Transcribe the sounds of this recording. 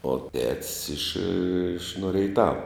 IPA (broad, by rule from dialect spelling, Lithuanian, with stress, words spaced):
oː tʲɛtʲsʲ ɪʃ ɪʃ noː rʲɛɪˈtɑːʋɐ